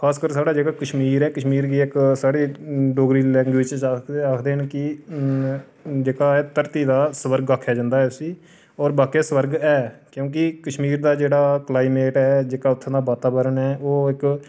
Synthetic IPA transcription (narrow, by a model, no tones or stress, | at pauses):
kʰaːskəɾsaːɽaːd͡ʒeːkaːkəʃmiːɾɛːkəʃmiːɾɡiːɪksaːɽiːɖoːɡɾiːlɛ̃ːŋɡwiːt͡ʃaaːkʰd̪eːnkɪ | d͡ʒeːkaːɛt̪əɾt̪iːd̪aːsəʋəɾɡaːkʰːjaːd͡ʒãːnd̪aːɦɛːʊsiː | ɔːɾbaːkeːsəʋəɾɡɛːkjõːk̬ɪkəʃmiːɾd̪aːd͡ʒeːɽaːklaːɪmeːʈɛːd͡ʒeːkaːʊt̪ʰːãːd̪aːbaːt̪aːbəɾəɳɛːʔoːɪk